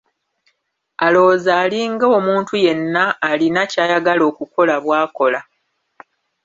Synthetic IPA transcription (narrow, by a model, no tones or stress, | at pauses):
alo̞ːzaːliŋɡoːmuːntuje̞nːaːlinacaːjaɡalo̞ːkuko̞laβwaːko̞la